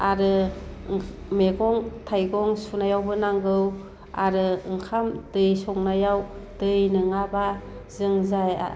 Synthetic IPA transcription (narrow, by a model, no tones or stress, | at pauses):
aɾɯ | meɡɔŋtʰajɡɔŋsunajawbɯnaŋɡɯw | a̰ɾɯɯŋkʰamdɯjsɔŋnajawd̥ɯjnɯŋabazɯŋzaja̰